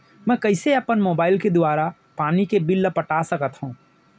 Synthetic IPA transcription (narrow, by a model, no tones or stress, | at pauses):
mɛ̃ːkɐɪseɐpənmoːbaːɪlked̪ʊaːɾa | paːnikebɪlːpɐʈasɐkət̪ɦũː